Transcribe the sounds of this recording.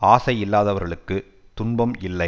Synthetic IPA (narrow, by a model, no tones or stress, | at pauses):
aːsɐɪɪlːaːðɐʋɐɾɣɐɭɯkːɯ | t̪ʊnbɐmɪlːɐɪ